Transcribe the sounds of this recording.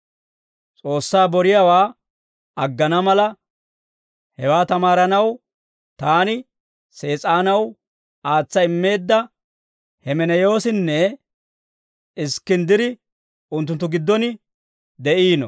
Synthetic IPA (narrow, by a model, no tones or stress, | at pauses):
t͡sʼo̞ːsːaːbɔɾɪjawaː | ɐɡːɐnɐmɐlɐ | hɛwaːt̪ɐmaːɾɐnɐw | t̪aːnɪ | se̞ːt͡sʼaːnɐw | aːt͡sːɐɪmːe̞ːd̪ːɐ | hɛmɛnɛjo̞ːsɪnːɛ | ɪskːɪnd̪ɪd̪ɪ | ʊnt̪̬ːʊnt̪ːʊɡɪd̪ːɔnɪ | d̪ɛʔiːnɔ̰